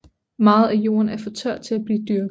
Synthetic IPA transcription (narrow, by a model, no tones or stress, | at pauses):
mɑ̈ːð̩ˠæjo̝̰ːɐnæɐfɒ̽t͡sʰɶɐ̰d̥̚t͡sʰe̝læb̥liːd̥yɐɡ̥